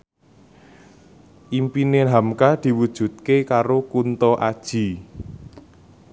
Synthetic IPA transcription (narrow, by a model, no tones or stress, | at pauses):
ʔimpineɦamkad̪̥i̤wud̥ʒ̥ṳt̪̚kekaɾokunt̪ɔʔad̥ʒ̥i̤